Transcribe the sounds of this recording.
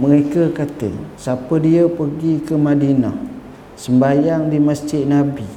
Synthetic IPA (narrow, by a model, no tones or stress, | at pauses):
məɾekəkat̪ə̰sapədiəpərɡikəmadina̰h | səmbajaŋdiməsd͡ʒɪʔ̪̚nabi